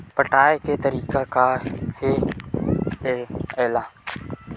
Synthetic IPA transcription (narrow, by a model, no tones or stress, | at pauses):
pəʈaːekeːt̪əɾiːkakaːheː | eːeːlaː